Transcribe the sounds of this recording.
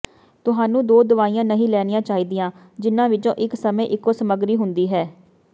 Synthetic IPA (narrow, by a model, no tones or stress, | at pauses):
t̪ʊɦaːnũːd̪oːd̪ʊʋaːiːjãːnəɦĩːlɛːnɪjãːt͡ʃaːiːd̪ijãː | d͡ʒɪnːãːʋɪt͡ʃõːʔɪksəmẽːʔɪkːoːsəməɡɾiːɦʊnd̪iːɦɛː